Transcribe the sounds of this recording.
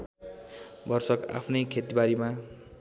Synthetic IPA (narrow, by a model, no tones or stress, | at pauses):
bʌrsʌka̰pʰnʌjkʰet̪ibaɾima